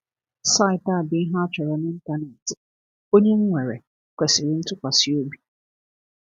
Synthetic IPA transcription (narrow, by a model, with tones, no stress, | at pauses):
sa˦ɪ˨ta˦˨bɪ˦ɦa˦t͡ʃᶣɛ˨ɾɛ˨nɪ̃˦n̩˦ta˦nɛ˨tɪ˨ | o˦ɲe˦ŋ̩˦ŋʷe˨ɾe˨ | kʷɛ˨sɪ˨ɾɪ˦n̩˦tʊ˦kʷa˨si˨o˦bi˦